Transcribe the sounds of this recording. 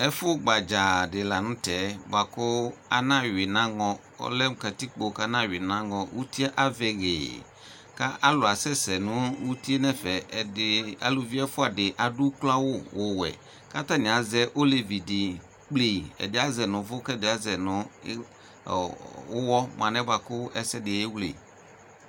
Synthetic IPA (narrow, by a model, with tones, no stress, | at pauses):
ɛ˦fʊ˦ɡ͡ba˨d͡ʒa˨dɪ˨la˨nʊ̃˦tɛ˨˦ba˨kʊ˦a̰˦nã˦ɥɪ˨nã˦ŋɔ̃˨ | ʊ̰˦lɛ˦m̩˨ka˨ti˦k͡po˨ka˦nã˦wɪ˨nã˦ŋɔ̃˨wu˦ti˦a˦ʔa˦vɛ˦˨ɣḛː˨ | ka˦ʔa˦lʊ˨a˨sɛ˦sɛ˨nʊ̃˨˦wu˦ti˦e˦nɛ˦fɛ˨ɛ˨dɪ˨a̰˨lʊ˨vi˦ɛ˦fʊ˦a˨dɪ˨ʔa˨dʊ˦kla˦wʊ˦wʔʊ˨wɛ̰˨ | ka˦ta˦˨nɪ̃˨a˨zɛ˦ʔo˦le˨vi˨dɪ˨ | k͡ple˨ɛ̰˨dɪ˨˦a˦zɛ˨nʊ̃˨vʊ˦kɛ˦˨dɪ˨a˦zɛ˨nʊ̃˨˦ | wʊ˦wɔ˦m˨ã˨nɛ̃˦ba˨kʊ˦ɛ˦sɛ˦dɪ˨e˦wlḛ˨